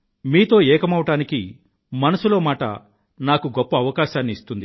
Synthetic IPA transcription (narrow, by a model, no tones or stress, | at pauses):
miːt̪o̞ːɛːkɐmɐʋɐʈaːniki | mɐnɐsuloːmaːʈɐ̰ | naːkuɡɔpːɐːʋɐkaːʃaːnːiːst̪und̪i